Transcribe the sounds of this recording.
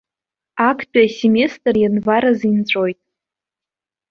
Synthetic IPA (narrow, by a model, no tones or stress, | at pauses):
akʰtʼaseme̞stʼrjanvaɾazint͡st͡ɕʷʼo̞jtʼ